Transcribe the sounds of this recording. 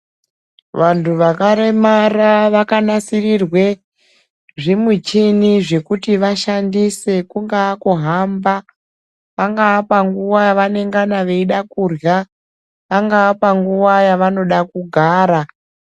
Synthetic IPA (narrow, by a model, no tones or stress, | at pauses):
ʋantʰuʋakaɾe̞maraʋakanasirirwe̞ | ʐimut͡ʃiniʐe̞kutiʋaʃandise̞kuŋɡaːkoɦamba | ʋaŋɡaʋapaŋɡuwajaʋane̞ŋɡanaʋe̞iɗakurja | ʋaŋɡaapaŋɡuʋajaʋano̞ɗakuɡʱaːɾa